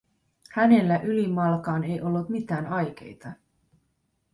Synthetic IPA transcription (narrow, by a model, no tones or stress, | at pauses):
hæne̞lːæʔylimɑlkɑːne̞jʔo̞lːut̪mit̪æːnɑjk̟e̞̰jt̪ɑ